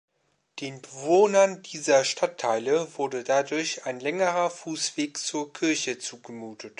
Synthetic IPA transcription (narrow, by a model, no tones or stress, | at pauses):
d̥eːnbəvoːnɐndiːzɐʃtʰatʰːaɪləvʊɐdədadʊɐçaɪnlɛŋəʁɐfuːsv̥eːkt͡suːɐkʰɪɐçət͡suːɡəmuːtʰət